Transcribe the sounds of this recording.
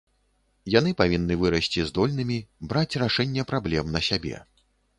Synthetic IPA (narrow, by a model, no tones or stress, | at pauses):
jan̪ɨpavʲinːɨvɨɾɐsʲt͡sʲizd̪ɔlʲnɨmʲibɾat͡sʲraʂɛnʲːɛpɾablʲɛmnɐsʲabʲɛ̰